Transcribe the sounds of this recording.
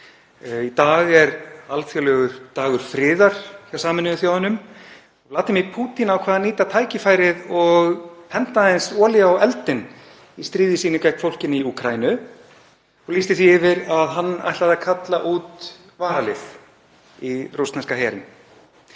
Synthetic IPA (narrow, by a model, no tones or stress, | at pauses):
it̪aːɣɛɾalfjœlœɣʏɾt̪aːɣʏɾ̥fɾɪːðaɾ̥θjawsaːmɪnɪvɪθjaːwhʏnːʏm | ɔlaːt̪ɪmiɾpʰuːt̪inawkʰvaːðaniːt̪at̪ʰaːjcɪfaːjɾɪðɔɣpʰɛnt̪aɪnsɔːlɪawɛlt̪ɪn | ist̪ɾiːðɪsiːnʏkajk̪̚fowl̥cɪniuːkʰɾainʏ | ɔliːst̪ɪθiɪvɪɾaðɦanːa̰jht̪laðakʰat̪laʔuːt̪ | vaːɾalɪθ | irust̪nɛnskahɛːɾɪ̰n